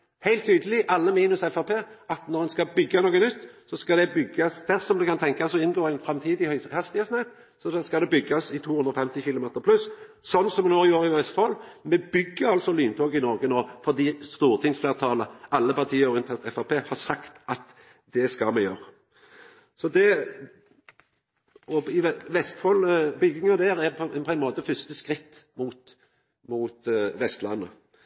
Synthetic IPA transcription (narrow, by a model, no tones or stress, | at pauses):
hæɪlt̪ːʰyːd̪əlɪʔɑlːəmiːnʉsɛfɑpʰeːʔɑt̪nɔʁɛnskɑbʏɡːɑnoːɡənʉt̪ːsɔskɑd̪ɛbʏɡːɑsd̪̥æʁsɔmd̪ʉkʰɑnt̪ʰɛŋkɑsɔɪnːɡoːɛɪnfɾɛmt̪ʰiːd̪ɪhœhɑst̪ɪəsnæt̪ | sɔskɑd̪ɛbʏɡːɑsɪt̪ʰuːhʉnd̪ɾʁɔfɛmt̪ɪçɪlʊmeːt̪əɾpʰlʉs | sɔnːsɔmɛnoːɪoːʁɪɛst̪əhɔlmɛbʏɡːəɾɑlsɔlyːnt̪ʰɔɡɪnɔʁɡənoːʁfɔʁd̪iːst̪uːʁt̪ʰɪŋsfleːʁt̪ʰɑːləʔɑlːəpɑʁt̪ʰiːəɔɾɪnt̪ʰeːt̪ɛfɑpeːhɑɾsɑkt̪ɑt̪ | d̪ɛskɑlmɛjøːʁ | sɔd̪ɛ | ɔɪʋɛʋɛst̪fɔlbʏɡːɪŋɑd̪æːɾɛpʰɔpʰɔænmoːt̪əfʏst̪əskʁɪt̪ːmut̪ | muːt̪ʋɛst̪lɑnːə